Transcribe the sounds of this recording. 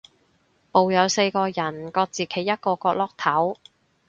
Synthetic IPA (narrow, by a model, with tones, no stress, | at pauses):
po˨wjɐ˨˧wse˧jkɔː˧jɐ˨˩nkɔː˧k̚t͡siː˨˩kʰe˨˩jɐ˥t̚kɔː˧kɔː˧k̚lɔː˥k̚t̪ʰɐ˨˥w